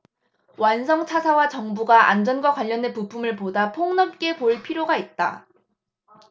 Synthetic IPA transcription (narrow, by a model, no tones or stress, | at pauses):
wansʰʌŋt͡ɕʰasʰawat͡ɕʌŋbuɡaʔa̰nd͡ʑʌnɡwakwaʎːʌnepupʰumɯɭpodapʰoŋnʌp̚k͈e̞poɭpʰiɾjoɡait̚t͈a̰